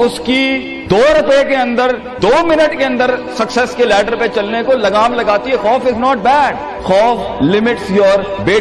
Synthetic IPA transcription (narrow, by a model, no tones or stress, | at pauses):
ʊski | d̪oːɾʊpəekeɐ̃nd̪əɾ | d̪oːmɪnəʈkeɐ̃nd̪əɾsɐksɛskelɛːʈəɾpet͡ʃɐlnekolɐɡaːmlɐɡaːt̪iɦɛxɔːfɪznɔːʈ̚bɛːɖ | xɔːf | lɪmɪʈsjɔːɾ | beː